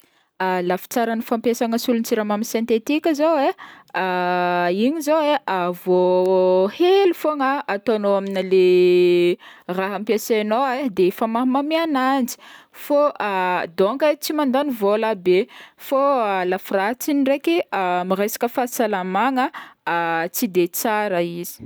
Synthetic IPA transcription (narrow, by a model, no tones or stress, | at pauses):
alafi̥t͡saɾanifampesaŋəsulunt͡siɾamaminsint̪et̪ikʲizowea | iɲizoweʔavo | helufoŋaat̪anoaminile | raɦampiasenoed̪eefamaɦmamianand͡zi̥foʔad̪oŋkət͡simand̪anivolabefoalafirat͡sinirekiamiresḁkəfasalamaŋə | t͡sid̪et͡saɾəizi̥